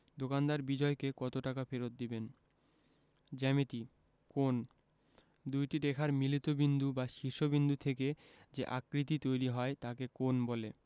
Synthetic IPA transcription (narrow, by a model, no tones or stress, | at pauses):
d̪okand̪aɾbid͡ʑɔekekɔt̪oʈakafeɾot̪̚d̪iben | d͡ʑɛmet̪i | kon | d̪ujʈidekʰaɾmilit̪obind̪ubaʃiɾʃobind̪ut̪ʰeked͡ʑeʔakɾit̪̬it̪ojɾiɦɔet̪akekonbole